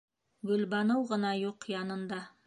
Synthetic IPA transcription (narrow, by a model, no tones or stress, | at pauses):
ɡɵ̆lbɑnɤwʁɤ̆nɑjuqjɑnɤ̆nd̪ɑ